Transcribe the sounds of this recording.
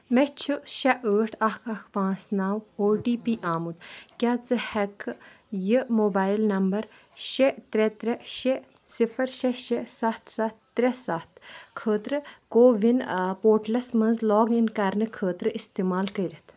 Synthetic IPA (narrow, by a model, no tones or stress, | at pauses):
mɛt͡ʃʰɨʃɐʔəːʈʰɐkʰɐkʰpãːsnaːwoːʈiːpiːʔaːmut̪kʲaːt͡sɨhɛkː | jɨmoːbaːilnɐmbɐɾ | ʃet̪ɾʲɛt̪ɾɛʃe | sifʰɐɾʃɐʃesɐt̪ʰsɐt̪ːɾʲɛsɐt̪ʰkʰəːt̪ɾɨkoːʋinpoːʈlɐsmɐnzlɔːɡinkɐɾnɨkʰəːt̪ɾɨist̪imaːlkɐɾɐt̪ʰ